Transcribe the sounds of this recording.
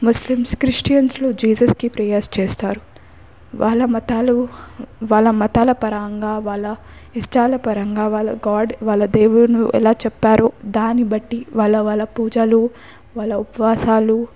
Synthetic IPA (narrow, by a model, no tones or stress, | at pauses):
muslimskɾiʂʈijɐnsloːd͡ʒiːsɐskipɾɐjest͡ʃeːst̪aːɾu | ʋʔaːɭːɐmɐt̪aːluʋaːlɐmɐt̪aːlɐpɐɾaːŋɡaːʋaːlːɐ | isʈaːlɐpɐɾɐŋɡaːʋaːlɐ̰ɡaːɖʋaːlːɐd̪eːwulɐnuʔɛ̰laːt͡ʃɛpːaːɾoːd̪aːnibɐʈːiʋaːlːɐʋaːlːɐpuːd͡ʒɐlu | ʋaːlːɐupɐʋaːsaːlu